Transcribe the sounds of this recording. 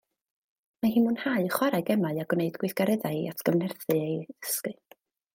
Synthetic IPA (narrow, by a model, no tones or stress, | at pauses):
mahiːmʊnhaɨχwaɾaɨɡɛmaɨaɡwneɨdɡ̥wɪθɡ̥aɾɛðaɨatʰɡ̥əvnɛrθɨejɪskɨ